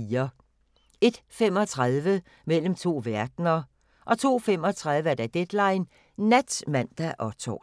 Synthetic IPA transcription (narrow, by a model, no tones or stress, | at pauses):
iːɐ | e̝d̥fem̰ɒ̽t͡sʰʁaðˠʋə | mel̰m̩t͡sʰo̝̰ːʋæɐd̥nɐ | ʔɒ̽t͡sʰo̝̰ːfem̰ɒ̽t͡sʰʁaðˠʋəæɐd̥æd̥ed̥lɑ̈ɪnː | æd̥smæn̰d̥æʔɒt͡sʰɒ̰